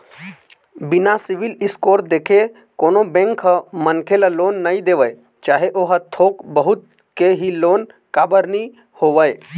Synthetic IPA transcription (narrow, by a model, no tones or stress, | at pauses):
bɪnasɪʋɪlɪskoːɾ̚d̪eːkʰe | koːnõbɛ̃ŋkɦəmənkʰeləloːnːəĩd̪eːʋəe | t͡ʃaːɦeʔoɦət̪ʰoːkbəɦʊt̪̚ | keɦiloːn | kaːbəɾni | hoːʋəe